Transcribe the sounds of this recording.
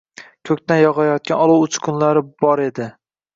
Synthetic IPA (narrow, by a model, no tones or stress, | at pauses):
kʲʰɵkʲt̪anjɒʁɑjɒt̪̚kʲanɒlˠuwʊt͡ʃʰkʲʰʊnlaɾɪbɒɾe̞d̪ɪ